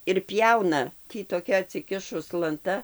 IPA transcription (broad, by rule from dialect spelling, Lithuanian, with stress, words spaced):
ɪr ˈpʲjɛʊnɐ ˈtʲiː toːˈkʲɛ ɐtʲsʲɪˈkʲɪʃʊs lˠɐnˈtɐ